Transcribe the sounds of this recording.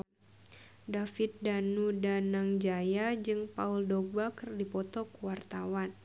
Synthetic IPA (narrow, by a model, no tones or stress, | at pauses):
dafit̪̚danudanaŋd͡ʒajad͡ʒɨŋpauldɔk̚bakɨrdipɔt̪ɔkuwart̪awan